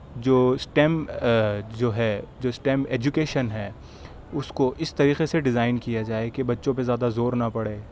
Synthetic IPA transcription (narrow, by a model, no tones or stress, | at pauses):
d͡ʒoːsʈɛːm | d͡ʒoːɦɛd͡ʒoːsʈɛ̃ːmeːd͡ʒukeːʃənɦɛː | ʊskoʔɪst̪ɐɾiːqeseɖɪzaːɪnkijad͡ʒaːekebɐtːʃõp̬ezjaːd̪azoːɾnapɐɽeː